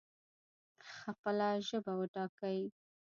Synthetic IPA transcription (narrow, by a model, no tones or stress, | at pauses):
xapəlaʒəbawəʈɑkawi